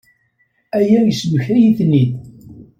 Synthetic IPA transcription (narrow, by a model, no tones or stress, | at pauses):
æjæjəsməçɾijiθnːid